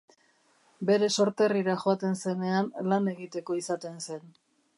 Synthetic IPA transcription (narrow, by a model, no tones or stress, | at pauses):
be̞ɾe̞so̞ɾt̪e̞riɾaʝoat̪e̞nse̞ne̞anlane̞ɣit̪e̞ko̞isat̪e̞nse̞n